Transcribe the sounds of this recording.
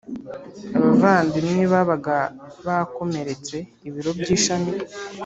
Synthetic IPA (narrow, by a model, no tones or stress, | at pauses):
aβavaːndimniβaβaɡaβako̞me̞ɾe̞t͡se̞ | iβiɾo̞bɟiːʃami